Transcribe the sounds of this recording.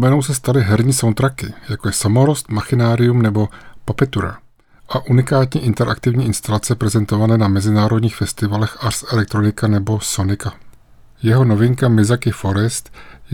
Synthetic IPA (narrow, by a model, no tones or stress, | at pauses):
mɛno̞wsɛst̪alɪɦɛɾɲiːsawnt̪ɾakɪjakojɛsamoɾost̪maxɪnaːɾɪumnɛbo̞papɛt̪uɾa̰ | ʔaʔunɪkaːt̪ɲɛʔɪnt̪ɛɾʔa̰kt̪ɪvɲiːɪnst̪alat͡sɛpɾɛzɛnt̪o̞vanɛːnamɛzɪnaːɾo̞dɲiːxfɛst̪ɪvalɛxʔarsɛlɛk̚t̪ɾo̞nɪkanɛbo̞so̞nɪka | jɛɦo̞no̞vɪŋkamɪzakɪfo̞ɾɛst̪